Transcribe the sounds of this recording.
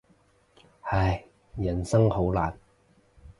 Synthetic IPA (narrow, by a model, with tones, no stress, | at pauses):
hɐ˨˩j | jɐ˨˩nsɐ˥ŋho˨˥wla̰ː˨n